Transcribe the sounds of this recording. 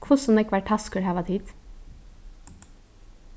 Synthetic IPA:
kʰʋʊsɔmd̪ɛːɪkʋæʈʰɑskʉɽhɑːʋɑt̪hit̪

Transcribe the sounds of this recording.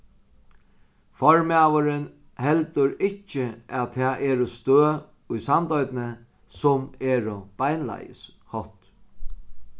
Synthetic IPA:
fɔɹmaʋəɾɪn | hɛlt̪ʊɾɪcːɪʔaðt̪ʰɛːʔɛːɾʊst̪øː | ʊjsant̪ɔjt̪nə | sʊmɛːɾʊb̥ajnla̰jɪ̰s | hɔt̪

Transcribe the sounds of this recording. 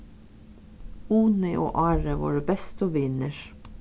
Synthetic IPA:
uːnɪʔo̰ːʔɑːɹəʋɑ̰ːɹəbɛst̪oːʋɪnəɹ

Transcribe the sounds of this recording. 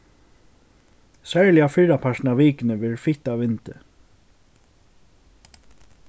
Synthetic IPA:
sɛːɹlɪjafɪɹapʰaʃnaviːkɪnɪʋɪɹfɪht̪avɪnt̪ɪ

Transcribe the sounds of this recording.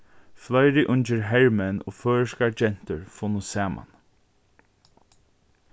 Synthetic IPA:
flœjɾɪʔʊnt͡ʃəɹɦɛɹmɛno̰ːføːɹəʃkad͡ʒɛn̥t̪əɹfɔnʊsæːmʔa̰n

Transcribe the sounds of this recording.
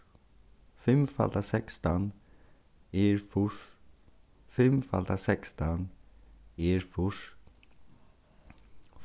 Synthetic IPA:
fɛmfa̰ld̪asɛkst̪an | eɾfʊʂ | fɛmfa̰lt̪asɛkst̪an | eːɾfʊʂ

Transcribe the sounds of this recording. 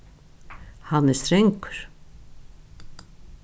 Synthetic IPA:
hanɛst̪ɾɛŋkʊ̥ɾ̥

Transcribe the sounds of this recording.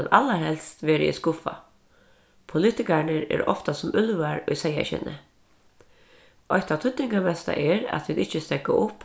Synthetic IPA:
nalːaɾhɛlst̪ʋɛːɾɪ̰ɪ̰skʊfa̰ | pʰʊlɪt̪ɪkaɹɳəɾɛ̰ɾɔ̰ft̪asʊmʏlvaɹʊjsɛja̰ɕɛ̰nə̰ | ʔɔht̪at̪ʰʏt̪nɪŋkamɛst̪a̰ʔɛɾæ̰t̪ʰʋiːd̪ɪht͡ʃəst̪ɛkaʔʊp

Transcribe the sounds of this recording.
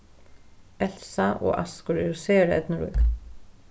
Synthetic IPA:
ɛl̥saʔɔ̰a̰skʊɾɛɾseːɾɛ̰t̪nəɾṵːk

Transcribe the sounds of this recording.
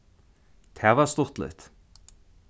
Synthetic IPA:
t̪ʰævast̪ʊ̥t̪lɪ̰ht̪

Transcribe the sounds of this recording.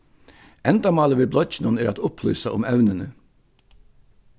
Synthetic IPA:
ɛnd̪amɑːləʋiːblɔçɪnʊnɛːɾat̪ʊpʰlʏ̰ːsaʔʊmœʉnənə

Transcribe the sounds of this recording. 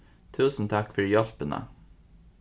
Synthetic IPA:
t̪ʰʉːsn̩t̪ʰɑkfœɹjɑlpənə̰

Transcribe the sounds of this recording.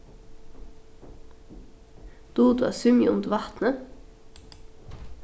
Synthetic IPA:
d̪̥uːd̪ʉːɑsʉmjəʊmd̪ʋɑt̪nə

